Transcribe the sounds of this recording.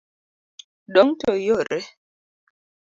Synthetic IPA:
ɗɔŋtojoɾɛ

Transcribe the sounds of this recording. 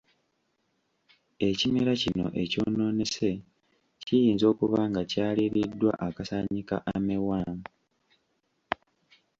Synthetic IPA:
e̞cimeɾacino̞̰ʔe̞co̞̰ːno̞ːne̞se̞ | cijiːnzo̞ːkuβaŋɡacaːliɾidːwa̰ʔakasaɲika̰ʔamewaːma

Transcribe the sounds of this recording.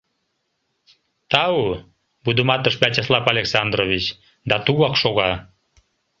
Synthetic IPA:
t̪ɑu | bud̪əmɑt̪əʃbæt͡ɕəslˠɑpɑlʲeksɑnd̪rovit͡ɕ | d̪ɑt̪uɣɑkʃoɣɑ

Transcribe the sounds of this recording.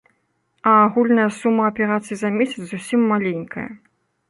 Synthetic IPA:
ɐːɣulʲnɐjɐsumːɐɐpʲɛɾat̪sɨjizɐmʲesʲɐt̪szusʲimːalʲenʲkʰɐ̰jɐ̰

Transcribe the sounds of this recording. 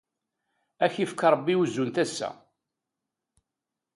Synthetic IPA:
æçifkɑɾˤəbːiuzːunt̪æsːæ̰

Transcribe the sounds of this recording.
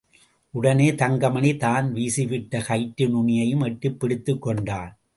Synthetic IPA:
ʔʊɽɐneːt̪ɐŋɡɐmɐnit̪aːnʋiːsɪʋɪʈːɐkɐɪʈːɯnʊɳɪjɐjɯmɛʈːɯpːɪɽɪt̪ːɯkːɔɳɖaːn

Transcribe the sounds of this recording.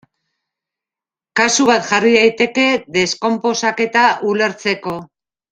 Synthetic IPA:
kasuβat̪ʝariðajt̪e̞ke̞ðe̞sko̞mpo̞sake̞t̪aʔule̞ɾt͡se̞ko̞

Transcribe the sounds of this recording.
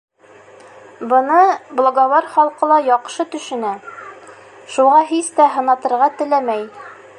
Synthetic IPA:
bɤ̆nɤblˠoɡɑβɑɾχɒlˠqɤ̆lˠɑjɒqʃɤt̪ɵ̆ʃɘ̆næ | ʃuʁɑɦist̪æɦɤ̆nɑt̪ɤ̆ɾʁɑt̪ɘ̆læmæj

